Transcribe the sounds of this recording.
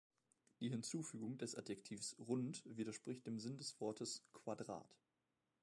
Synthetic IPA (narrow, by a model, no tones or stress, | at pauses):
d̥iːɦɪnt͡suːfyːɡʊŋdɛsʔatjɛktʰiːfsʁʊntviːɾɐʃpʁ̥ɪçt̚d̥eːmzɪndɛsv̥ɔɐtʰəskʰv̥adʁa̰ːt